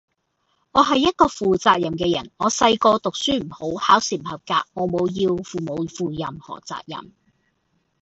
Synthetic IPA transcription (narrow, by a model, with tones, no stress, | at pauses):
ŋɔː˨˧ɦɐ˨jːɐ˥t̚kɔː˧fuː˨t͡saː˧k̚jɐ˨˩mkɛː˧jɐ̰˨˩nŋɔː˨˧sɐ˧jkɔː˧t̪ʊ˨k̚syː˥m̩˨˩ho˨˥whaː˨˥wsi˨˩mhɐ˨p̚kaː˧k̚ŋɔː˨˧mo˨˧wjiː˧wfuː˨mo˨˧wfuː˨jɐ˨mhɔ̰ː˨˩t͡sa̰ː˧˨k̚jɐ̰˨˩m